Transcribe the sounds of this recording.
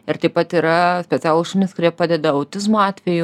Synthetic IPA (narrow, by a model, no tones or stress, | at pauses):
ɪɾt̪ɐɪpɐt̪iːɾɐsʲpʲɛt͡s̪ʲæːlˠuʃunʲɪskʊɾʲiɛpɑːd̪ʲɛd̪ɐɐʊt̪ʲɪzmoɑːt̪ʲʋʲɛju